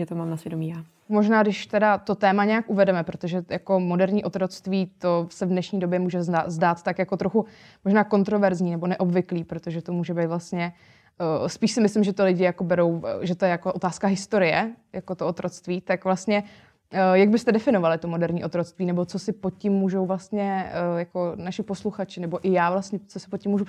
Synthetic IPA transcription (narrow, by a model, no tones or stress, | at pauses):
ɛt̪omaːmnasʋjɛdomiːjaː | mo̞ʒnaːdɪʃt̪ɛdat̪o̞t̪ɛːmaɲɛjakʔuvɛdɛmɛpɾo̞t̪oʒɛjako̞mo̞dɛɾɲiːʔo̞t̪ɾo̞t͡st̪viːt̪o̞sɛvdnɛʃɲiːdo̞bjɛmuːʒɛazdaːt̪t̪akjako̞t̪ɾo̞xu | moʒnaːko̞nt̪ɾo̞vɛɾzɲiːnɛbo̞nɛʔo̞bvɪkliːpɾo̞t̪oʒɛt̪omuːʒɛbejt̪vlast̪ɲɛ | spiːʃsɪmɪslɪmʒɛt̪olɪɟɪjako̞bɛɾo̞wʒɛt̪ojɛjakoʔot̪aːskaɦɪst̪o̞ɾɪjɛjakot̪oʔot̪ɾʔot͡st̪viːt̪akvlast̪ɲɛ | jaɡ̚bɪst̪ɛdɛfɪno̞valɪt̪omo̞dɛɾɲiːʔot̪ɾo̞t͡st̪viːnɛbo̞t͡sosɪpocɪmːuːʒowvlast̪ɲɛjako̞naʃɪposluxat͡ʃɪnɛbo̞ʔɪjaːvlast̪ɲɛt͡sosɪ̥pocɪmːuːʒu